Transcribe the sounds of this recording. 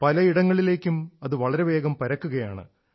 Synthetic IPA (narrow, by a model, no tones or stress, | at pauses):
pɐlɐiɽɐŋːɐɭile̞ːkʲːumɐðɨʋɐɭɐɾe̞ʋe̞ːɡɐmpɐɾɐkːuɣɐja̰ːɳɨ̰